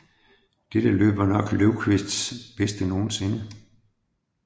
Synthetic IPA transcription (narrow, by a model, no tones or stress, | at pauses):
d̥ed̥əlø̰ːb̥ɐnɒ̽ɡ̥løʊkʰʋe̝sd̥sb̥esd̥əno̝ːn̩se̝nə